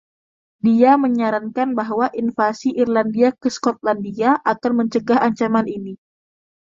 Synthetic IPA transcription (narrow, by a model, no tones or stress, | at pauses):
diaməɲaɾankanbaɦwaʔinfasiʔirlandiakəskɔt̪̚landiaʔakanməɲt͡ʃəɡaɦaɲt͡ʃamanini